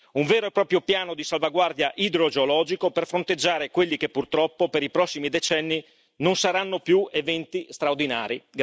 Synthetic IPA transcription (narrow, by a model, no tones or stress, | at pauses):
uɱveːɾoepːɾɔːpɾjopjaːnod̪isalvaɡward̪jaʔid̪ɾod͡ʒeolɔːd͡ʒikoperfɾont̪ed͡ʒːaːɾekwelːikepːurt̪ɾɔpːopeɾipɾɔsːimid̪et͡ʃɛnːi | nonsaɾanːopjuevɛnt̪ist̪ɾaord̪inaːɾiɡ